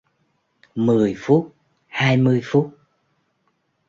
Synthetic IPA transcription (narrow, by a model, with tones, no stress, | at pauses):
mɨ˨˩əjfu˦˥t̚ | haː˧jmɨ˧əjfu˦˥t̚